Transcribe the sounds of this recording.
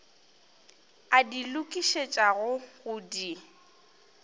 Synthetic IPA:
adilʊkʼiʃet͡ʃʼaɣʊɣʊdi

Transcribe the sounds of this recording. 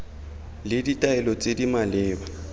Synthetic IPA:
lɪditʼaɛlɔt͡sʼedimalɪːba

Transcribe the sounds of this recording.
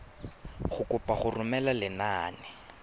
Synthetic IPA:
χʊkʊpaχʊrʊmɛlalɪnaːnɪ

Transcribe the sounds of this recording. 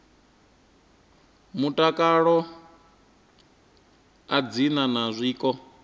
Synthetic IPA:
mutʼakʼaɺɔ | ad͡zinanazʷiːkʼɔ

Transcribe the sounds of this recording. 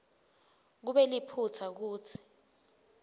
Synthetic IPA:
k̬uɓɛlipʰut͡sʰak̬uːt͡sʰi̥

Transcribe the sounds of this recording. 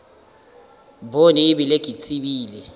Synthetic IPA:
boniːɓileɡ̥ʱit͡sʰiɓiːlɛ

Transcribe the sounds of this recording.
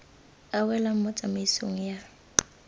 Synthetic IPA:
awɛlam̩mɔt͡sʼamaisoŋ̩ja

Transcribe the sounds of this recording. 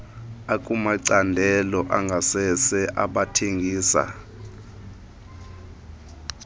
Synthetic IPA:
akʼumaǀandʱɛlɔʔaŋɡʱasɛsɛʔaɓatʰeŋɡʱiːsa̰

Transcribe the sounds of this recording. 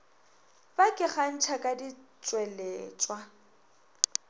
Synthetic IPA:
bakʼɪχan̩t͡ʃʰakʼadit͡ʃʼwɛlɛːt͡ʃʼwa

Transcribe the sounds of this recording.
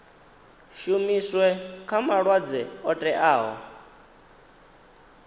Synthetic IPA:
ʃumiswɛkʰamaɺwad͡zɛɔtʼɛʔaːɦɔ̰

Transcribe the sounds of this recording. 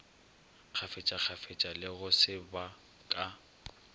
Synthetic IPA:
k͡xʰafet͡ʃʼak͡xʰafet͡ʃʼalɪɣʊsɪba | kʼa

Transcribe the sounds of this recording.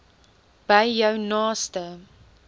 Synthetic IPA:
b̥ɐjjəwnɑːstə

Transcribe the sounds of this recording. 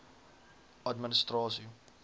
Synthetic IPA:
ɐdmənəstrɑːsi

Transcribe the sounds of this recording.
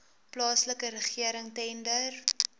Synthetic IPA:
plɑːsləkəɾəχiəɾəŋtɛndər

